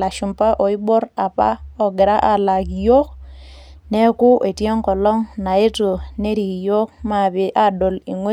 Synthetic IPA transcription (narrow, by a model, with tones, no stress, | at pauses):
la˨ʃu˨mpa˦ʔɔ˨i˦bo˦ɾa˨pa̰˦ɔ˨ɡɪ˨ɾa˦ʔa˨la˨kjo˦k̚ | ne˦ku˦ʔe˨ti˦o˦ŋkɔ˨lɔ˦ŋna˨e˦to˨ne˦ɾi˨jo˦k̚ma˨bi˨ʔa˦do˨li˨ŋwe˦